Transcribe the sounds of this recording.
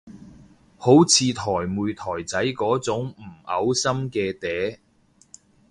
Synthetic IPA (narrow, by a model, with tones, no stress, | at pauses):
ho˨˥wt͡sʰiː˨˧t̪ʰɔː˨˩jmuː˨˧jt̪ʰɔː˨˩jt͡sɐ˨˥jkɔː˨˥t͡sʊ˨˥ŋm̩˨˩ɐ̰˨˥wsɐ˥mkɛː˧t̪ɛː˨˥